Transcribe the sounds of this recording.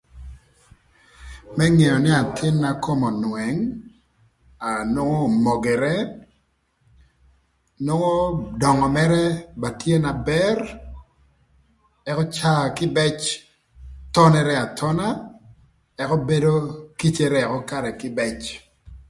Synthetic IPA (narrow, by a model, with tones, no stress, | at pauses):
mɛ˦ŋe˨jɔ˨nɪ˦a˨tʰɪ˦nːa˨ko˦mɔ˨nwɛ˨ŋ | a˨no˦ŋɔ˦mɔ˨ɡɛ˨ɾɛ˦ | no˦ŋɔ˦dɔ˨ŋɔ˨mɛ˦ɾɛ˦ba˨tʰje˦na˨bɛ˦r | ɛ˦kɔ˦t͡ʃa˦˨kɪ˦bɛ˦t͡ʃ | tɔ˦nɛ˦ɾɛ˦a˨tʰɔ˦na˦ | ɛ˦kɔ˦be˦do˦ki˦t͡ʃɛ˦ɾɛɛ˨kɔ˦ka˨ɾɛ˨kɪ˦bɛ˦t͡ʃ